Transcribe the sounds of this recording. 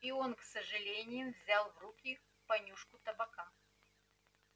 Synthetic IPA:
ionksəʐɨlʲenʲɪjʊvzʲalˠvrukʲi | pɐnʲuʂkʊt̪ɐbɐka

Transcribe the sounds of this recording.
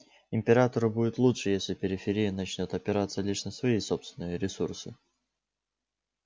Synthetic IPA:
ɪmʲpʲɪɾat̪əɾɨbudʲɪt̪lˠutʂɨjesʲlʲɪpʲɪɾʲɪfʲɪɾʲijənɐt͡ɕnʲot̪ɐpʲɪɾat̪sːəlʲiʂnəsvɐiso̞pst̪vʲɪnɨjəɾʲɪsursɨ

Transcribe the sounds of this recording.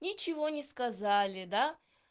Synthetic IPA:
nʲɪt͡ɕɪvonʲɪskɐzalʲɪd̪a

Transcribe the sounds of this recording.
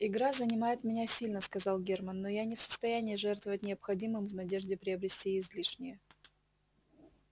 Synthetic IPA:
ɪɡɾazənʲɪmajɪt̪mʲɪnʲasʲilʲnəskɐzɑlˠɡʲermənːojanʲɪfsə̥st̪ɐjænʲɪːʐɛrt̪vəvətʲnʲɪɐpxɐdʲimɨmvnɐdʲeʐdʲɪpɾʲɪɐbɾʲɪsʲtʲiɪzʲlʲiʂnʲɪjə

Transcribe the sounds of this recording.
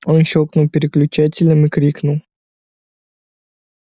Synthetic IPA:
onʃoknuwpʲɪɾʲɪklʲʊt͡ɕatʲɪlʲɐmɨkɾʲiknʊw

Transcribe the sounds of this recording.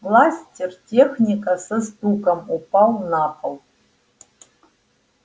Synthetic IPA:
vlˠasʲtʲɪrtʲexnʲikʼasɨzd̪ukʼɐmupʰʼalnapʰʼɐl

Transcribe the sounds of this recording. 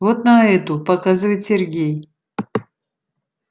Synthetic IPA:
vot̪nɐɛt̪upɐkazɨvɨjt̪sʲerɡʲej

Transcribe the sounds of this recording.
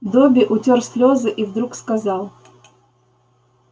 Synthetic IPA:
d̪obʲɪʔʊtʲorsʲlʲo̞zɨʔivd̪ɾukskɐzɑlˠ

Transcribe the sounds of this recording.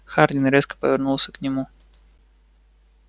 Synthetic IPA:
xard̪ʲɪnɾʲeskə̥pəvʲɪrnulˠsʲəknʲɪmu

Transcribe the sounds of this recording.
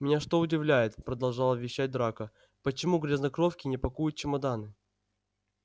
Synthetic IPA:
mʲɪnʲaʂt̪o̞ʊdʲɪvlʲæjɪt̪pɾəd̪ɐlˠʐɑlˠəvʲɪɕːæt̚ʲd̪ɾakə | pət͡ɕɪmuɡɾʲɪznɐkɾofkʲɪnʲɪpɐkujʊt̪̚t͡ɕɪmɐd̪anɨ

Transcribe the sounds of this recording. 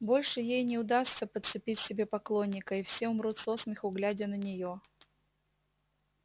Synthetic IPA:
bo̞lʲʂɨjejnʲɪʊd̪ast̪səpət̪sɨpʲitʲsʲɪbʲe̞pɐklˠo̞nʲːɪkəifsʲe̞ʊmɾut̪sosmʲɪxʊɡlʲædʲənənʲɪjo

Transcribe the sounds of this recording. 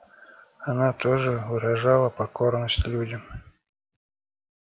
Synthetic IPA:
ɐnat̪oʐɨvɨɾɐʐalˠəpɐko̞rnəsʲtʲlʲudʲəm

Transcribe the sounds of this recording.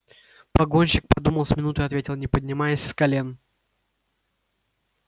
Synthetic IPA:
pɐɡo̞nʲɕɪk̚pɐd̪uməlˠsʲmʲɪnut̪ʊɐt̪vʲetʲɪlˠnʲɪpədʲnʲɪmajɪsʲskɐlʲen

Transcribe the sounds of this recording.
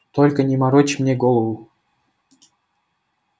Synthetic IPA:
t̪olʲkə̆nʲimɑɾot͡ɕmnʲeɡolˠəwu

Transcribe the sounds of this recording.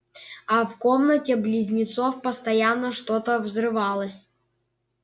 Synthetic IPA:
afkomnətʲɪblʲɪzʲnʲɪt̪sofpəst̪ɐjanːəʂt̪ot̪əvzrɨvɑlˠəsʲ

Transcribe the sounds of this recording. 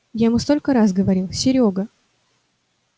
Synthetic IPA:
jamust̪o̞lʲkəɾas̬ɡəvɐɾʲilˠsʲɪɾʲoɡə

